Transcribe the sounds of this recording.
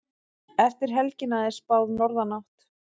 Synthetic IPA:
ɛft̪ɪɾ̥ɦɛlcɪnaðɪ̥spawðnɔɾðanaht̪

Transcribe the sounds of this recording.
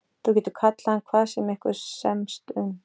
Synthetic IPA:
θuwc̬ʲɛːt̪ʏkʰat̪lahankʰvaːðsɛmɛhkʏɾsɛmst̪ʏm

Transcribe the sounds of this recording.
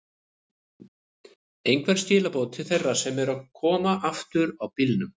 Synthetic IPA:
ejŋkvɛɾ̥st̪ɪːlapoːwt̪ʰɪθejrːasɛmɛɾawkʰɔːmaʔaft̪ʏɾawpilnʏm

